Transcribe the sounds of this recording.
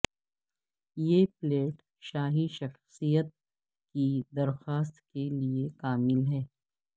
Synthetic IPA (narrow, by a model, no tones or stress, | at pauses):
jeːpleːʈ | ʃaːɦiʃɐxsijət̪̚ | kid̪ɐɾxaːs̬t̪keliekaːmɪlɦɛː